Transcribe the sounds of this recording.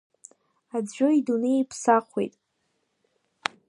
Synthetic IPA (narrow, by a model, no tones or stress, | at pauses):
ad͡zʒʷᶣo̞idunejipʰsaχʷwḛjtʼ